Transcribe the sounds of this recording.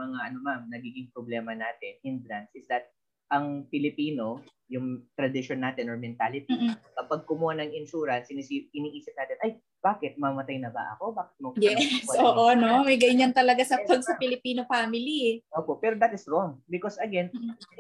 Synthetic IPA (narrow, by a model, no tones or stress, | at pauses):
mɐŋaʔɐno̞mamnɐɡiːɡɪŋpɾoblɛːmɐnaːt̪ɪnʔɪnd̪ɾɐnsɪsd̪ɐt̪̚ | ʔɐŋpɪlɪpiːno̞ | jʊŋt̪ɾɐd̪ɪʃonːaːt̪ɪnoɹmɛnt̪aːlɪt̪iʔɐpɐɡ̚kʊmuhanɐŋɪnʃuːɾɐnsʔɪnisiʔɪniːʔiːsɪp̚naːt̪ɪnʔɐj | b̥aːkɪt̪̚mɐmɐt̪ajnɐbɐ̰ʔɐ̰ko̞baːkɪ̥t̪̚mɐjɛsɛoːʔonomɐjɡɐɲant̪ɐlɐɡasɐpɐɡsɐpɪlɪpiːnofaːmɪliʔoːpo̞pɛːɾo̞d̪ɐt̪ɪsɹoŋbɪkosɐɡɛn